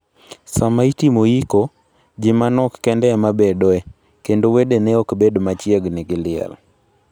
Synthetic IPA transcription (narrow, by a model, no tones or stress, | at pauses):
samaitimojiko | d͡ʒɪmanɔkːɛndɛmabedɔɛ | kendowedeneɔkbedmat͡ʃjeɡnɪɡɪlɪɛ̰l